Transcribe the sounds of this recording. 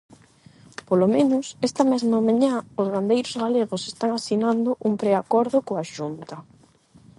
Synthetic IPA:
polomẽnʊsɛst̪ɐmɛzmamãɲãozβand̪ejɾozɣaleɣose̥st̪aŋasinand̪ʊʔumpɾeakɔɾðʊkoaʃunt̪ɐ

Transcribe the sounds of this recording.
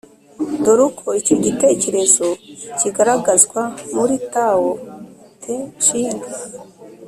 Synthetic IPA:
doɾukʰoicoɟite̞ce̞ɾe̞zo̞ciɡaɾaɡazɡwamuɾitawotʰeʃiːŋɡa

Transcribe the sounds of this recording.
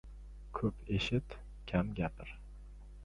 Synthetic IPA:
kʰɵpʰeʃɪt̪ | kʲʰamɡʲapʰɪɾ

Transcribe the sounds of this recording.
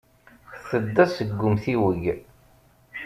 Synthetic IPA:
çθəd̪ːæsəɡːʊmθiwəʝ

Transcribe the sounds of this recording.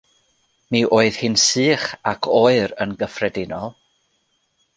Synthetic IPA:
miʔoːɨð̥hɨnsɨːχakʰoːɨɾənɡəfrɛdɪnɔlˠ

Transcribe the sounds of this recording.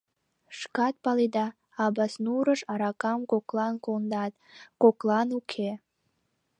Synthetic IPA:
ʃkɑt̪̚pɑlid̪ɑ | ɑbɑsnuɾəʃɑɾɑkɑmkoklɑnkond̪ɑt̪koklˠɑnukʰe

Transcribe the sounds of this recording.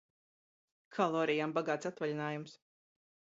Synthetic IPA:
kʰalˠɔːɾijambaɡaːt̪sat̪valʲinaːjums

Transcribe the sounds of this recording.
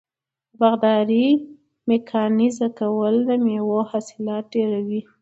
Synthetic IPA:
baɣd̪ɑɾi | mekʰɑnizakawəld̪əmewohɑsɪlɑt̪̚ɖeɾawi

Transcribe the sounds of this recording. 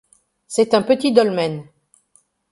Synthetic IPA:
sɛt̪ɛ̃pət̪id̪ɔlmɛn

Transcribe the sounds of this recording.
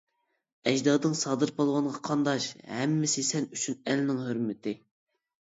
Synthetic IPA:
ɛʒd̪ɑːd̪ɨŋsɑːd̪ɨɾbolˠʁɑnʁɑqʰɑnd̪ɑʃhɛmːɪsesɛnyt͡ʃʰynɛlnɪŋɦøɾmɪt̪ʰɪ

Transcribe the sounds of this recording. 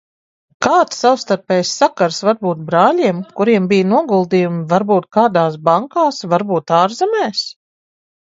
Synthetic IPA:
kaːt̪ssawst̪aɾpɛjsːakaɾsvaɾbuːt̪̚bɾaːlʲiɛmkuɾiɛmbijnuɔɡulˠd̪iːjumvaɾbuːt̪̚kaːd̪aːs̬baŋkaːsvaɾbuːt̪aːɾzɛmɛːs

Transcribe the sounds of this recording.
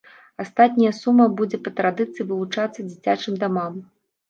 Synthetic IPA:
ast̪at̪̚ʲnʲɐjɐsumːɐbud͡zʲɛpɐt̪ɾad̪ɨt̪sɨjivɨlˠut͡ʂat̪sːɐd͡zʲit͡sʲat͡ʂɨmd̪amam

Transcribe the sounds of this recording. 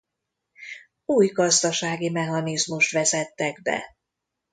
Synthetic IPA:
uːjɡɒzd̪ɒʃaːɡimɛɦɒnizmuʃt̪ʋɛzɛt̪ːɛɡbɛ̰

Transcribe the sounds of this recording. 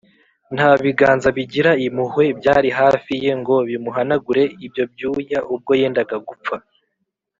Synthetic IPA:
n̥haβiɡaːnzaβiɟiɾaimuhwe̞bɟaːɾiɦaːfije̞ŋɡo̞βimuɦanaɡuɾe̞ibjo̞b̚juːjaʔub̚ɡo̞je̞ːndaɡaɡup͡fa

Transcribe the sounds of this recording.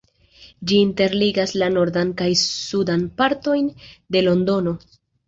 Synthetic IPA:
d͡ʒiːnte̞ɾliɡaslano̞ɾdankajsudanpaɾto̞jnde̞lo̞ndo̞no̞

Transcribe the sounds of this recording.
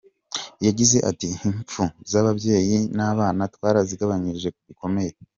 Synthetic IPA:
jaɟize̞ʔatiiɱp͡fuzaβabje̞ːjinaːβaːnatwaːɾaziɡaβaɲiɾʒe̞k̚uβikʰo̞me̞je

